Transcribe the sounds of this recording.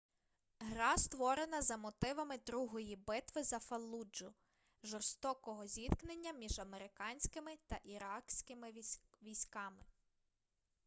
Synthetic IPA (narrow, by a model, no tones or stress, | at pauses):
ɦɾɑst̪ʋɔɾenɐzɐmɔt̪ɪʋɐmɪd̪ɾuɦɔjibɪt̪ʋɪzɐfɐlˠːud͡ʒʊ | ʒɔrst̪ɔkɔɦɔzʲit̪knenʲːɐmʲiʒɐmeɾɪkɑnʲsʲkɪmɪt̪ɐʔiɾɑksʲkɪmɪʋʲijsʲkɑmɪ